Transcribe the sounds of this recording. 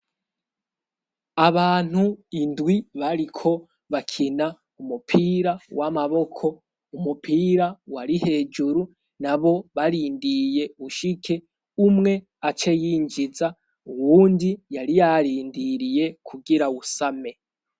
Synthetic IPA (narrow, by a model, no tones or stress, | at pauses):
aβaːn̥huindwiβaɾikʰo̞ | βakʰina | umupʰiːɾawʔamaβo̞kʰo̞ | umupʰiːɾawaɾihe̞ːd͡ʒuɾu | naβo̞βaɾiːndije̞uʃikʰe | umŋe̞ | at͡ʃe̞jiːnd͡ʒiza | uwuːndijaɾijaɾiːndiɾije̞kʰuɡiɾausame̞